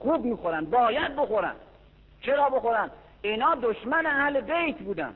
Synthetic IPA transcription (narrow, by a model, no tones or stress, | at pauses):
xuːbmiːxoɾænd̪̚bɒːjæd̪̚boxoɾæ̰nd̪ | t͡ʃʰeɾɒːboxoɾænd̪ | inɒːd̪oʃmæneæhlebejt̪ʰbuːd̪æ̰nd̪